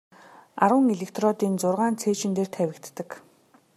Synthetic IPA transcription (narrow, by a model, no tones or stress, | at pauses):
aɾə̆ŋeɮekt̪rɔt̪iːnt͡sʊrʁaːnt͡sʰeːt͡ɕɪ̆nt̪eːr̥t̪ʰæwʲɪ̆kt̪ːə̆k